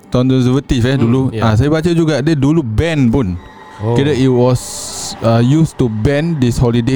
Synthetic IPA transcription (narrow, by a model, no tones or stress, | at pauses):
tɔ̃nkɔ̃nsəvət̪ifɛduluas̬ajəbat͡ʃad͡ʒuɡadədulubɛ̃npũn | kɛɾəitwɔsajustubɛ̃ndishɔlide